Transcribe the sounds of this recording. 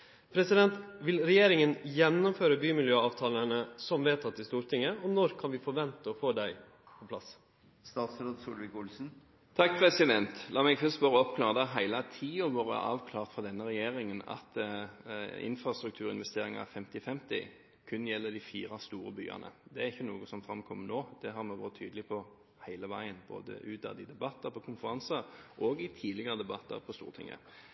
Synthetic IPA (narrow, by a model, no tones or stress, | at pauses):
pʰɾɛsɪd̪ɛnt̪ʋɪlɾɛjeːɾɪŋənjɛnːɔmføːɾəbyːmɪljøːɑːʋt̪ʰɑːlənəsɔmʋeːt̪ʰɑt̪ːɪst̪uːɾt̪ʰɪŋːəɔnɔɾkʰɑnʋɪfɔɾʋɛnt̪əɔfoːd̪æɪ | pʰɔpʰlɑs | st̪ɑːt̪sɾod̪suːlʋɪkʊlsn̩ | t̪ʰɑk̚pʰɾɛsɪd̪ɛnt̪lʔɑːmɛɡfœst̪bɑːɾəɔpkʰlɑːʁd̪ɑɦæɪlət̪ʰiːʊʋoːʁə̰ʔɑ̰ːʋkʰlɑːʁt̪fɔd̪ɛnːəɾɛjeːʁɪŋənɑ̰t̪ | ɪ̰nfɾɑst̪ɾʉkt̪ʰʉːɾɪnʋɛst̪eːɾɪŋɑɑfɛmt̪ɪfɛmt̪ɪ̰ | kʰʉnːjɛlːəd̪ɪfiːɾɑst̪uːɾəby̰ːɑ̰nʔə̰d̪ɛæʁɪçːənuːɡʊsɔmfɾɑmkʰɔmːənoːd̪̥ɛɦɑɾmɛʋo̰ɾət̪ʰyːd̪əlɪpʰɔ | hæɪləʋæɪənbo̰ːd̪ə̰ʔʉːd̪ɑ̰d̪ɪd̪ɛbɑt̪ːəɾpʰɔkʰʊnfəɾɑnsəɾʔɔɡɪt̪ʰiːlɪɡəʁəd̪ɛbɑt̪ːə̰ɾpʰɔst̪ṵːʁt̪ʰɪ̰ŋːə̰